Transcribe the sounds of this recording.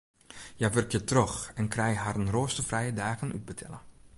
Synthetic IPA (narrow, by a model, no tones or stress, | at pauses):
jaʋɵrkjətrɔxɛnkrɛjɦarənroːstəfrɛjədaːɣənʔy̰d̚bətʰɛ̰lˠə